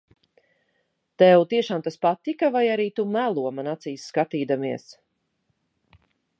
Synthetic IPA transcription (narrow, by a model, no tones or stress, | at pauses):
t̪ɛwt̪iɛʃaːmt̪aspat̪ikavajaɾiːt̪umælˠuɔmanat̪sijsːkat̪iːd̪amiɛs